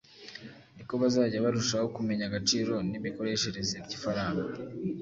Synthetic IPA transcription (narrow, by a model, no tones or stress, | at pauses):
niko̞βazaːɟaβaɾuʃaho̞kume̞ɲaɡat͡ʃiːɾo̞nimiko̞ɾe̞ʃe̞ɾe̞zebɟifaɾaːŋɡa